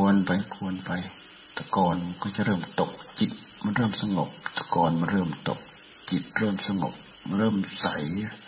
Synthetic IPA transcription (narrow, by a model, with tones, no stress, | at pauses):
u˧ənpa˧jkʰu˧ənpa˧j | t̪ɛː˧˩kɔː˧nm˧nkɔː˧˩t͡ɕa˧˨ʔɾɤː˧˥˩mt̪o˨˩k̚t͡ɕi˨˩t̪̚ | ma˧˥˨nɾɤː˥˩˨msa˧ŋo˨˩p̚t̪ʰa˧˩kɔː˨˧nma˧˨nɾɤː˧˩mt̪o̰˨˩k̚ | t͡ɕi˨˩t̪̚ɾɤː˧˥˩msa˧ŋo̰˨˩p̚ | ma˧˥nɾɤː˥˩msa˨˦j